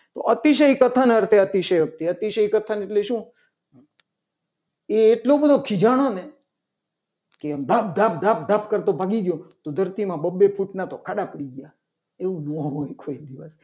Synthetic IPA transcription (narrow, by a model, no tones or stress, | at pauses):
t̪o̰ʔət̪iʃ̬əikət̪ʰənəɾt̪ʰeət̪iʃəɦjʋək̚t̪iət̪iʃəikət̪ʰəneʈleʃũ | eːʈlobəd̪ʱokʰid͡ʒaɽ̃one | kemd̪ʱap̚d̪ʱap̚d̪ʱap̚d̪ʱapkəɾt̪obʱaɡiɡjot̪od̪ʱəɾt̪imãbəbːepʰuʈnat̪okʰaɗapəɽiɡja | eũnõɦojkoid̪iʋəs